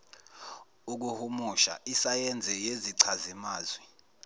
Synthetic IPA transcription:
uk̬uhumuʃa̰ʔisajɛnd͡zʱɛjeziǀʰazimaːzwɛ

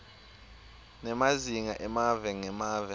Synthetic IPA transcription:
nɛmaziŋaʔɛmavɛŋɛmaːvɛ

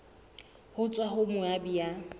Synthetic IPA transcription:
hʊt͡sʼwaɦʊmʊabija

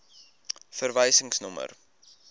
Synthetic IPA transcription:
fərvɛjsəŋsnɔmə̰r

